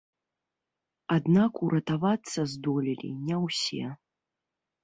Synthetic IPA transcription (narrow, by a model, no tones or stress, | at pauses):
ad̪nakuɾʔɐt̪avat̪sːɐzd̪ɔlʲilʲḭnʲɛwsʲɛ̰